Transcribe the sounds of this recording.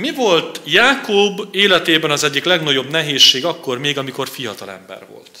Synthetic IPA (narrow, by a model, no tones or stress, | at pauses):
mivo̞lt̪jaːkoːbeːlɛt̪eːbɛnɒzɛɟːiklɛɡnɒɟo̞bnɛɦeːʃːeːɡɒkːo̞rmeːɡɒmiko̞rfijɒt̪ɒlɛ̰mbɛ̰rvo̞̰ltt̪